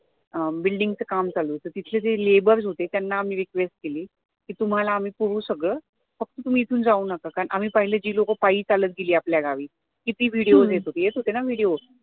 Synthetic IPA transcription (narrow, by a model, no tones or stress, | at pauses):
əbilɖiŋɡt͡səkamt͡saluːt͡sət̪it̪ʰled͡zelebəɾd͡zɦot̪et̪janːaːm̤iːɾikʋesʈ̚keliː | kiːt̪um̤alaːm̤iːpuɾũːsəɡɭəː | fək̚t̪ət̪um̤iːt̪ʰuːnd͡zauːnakakaɳʔam̤iːpaɦiled͡ʑiːlokəpaiːt͡salət̪̚ɡeliːapljaɡaʋiː | kit̪iːʋiɽiod͡zjet̪ɦot̪ejet͡s̪ɦot̪enaʋiɽijo